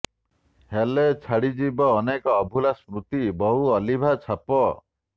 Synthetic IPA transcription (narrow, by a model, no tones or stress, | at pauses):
helet͡ʃʰaɽid͡ʒibɔːnekɔːbʱulasmɾut̪ibɔɦuɔlibʱat͡ʃʰapɔ